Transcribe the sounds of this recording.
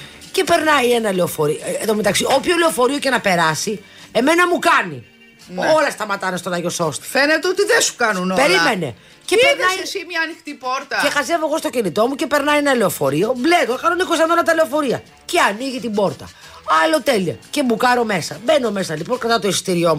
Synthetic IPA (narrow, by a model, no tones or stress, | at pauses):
cepe̞ɾnɐjenɐleofo̞ɾieðomet̪ɐksiopçoleofo̞ɾio̞ce̞nɐpe̞ɾɐsi | e̞me̞nɐmukɐni | no̞lɐst̪ɐmɐt̪ɐnest̪onɐʝo̞so̞st̪ɐ̥fenet̪eot̪iðesu̥kɐnunopeɾlɾimene̞̰ | ceeɾnɐisimɲɐːnixt̪ipoɾt̪ɐexɐze̞vo̞ɣo̞st̪ocinit̪o̞mucepe̞ɾnɐienɐleofo̞ɾio̞blet̪okɐnonikosɐnonɐt̪ɐleo̞fo̞ɾiɐ | ceɐniʝit̪ibo̞ɾt̪ɐ | ɐlo̞t̪e̞liɐ̰ce̞mukɐɾo̞me̞sɐbeno̞mesɐliponkɐt̪ɐt̪o̞ist̪iɾiomu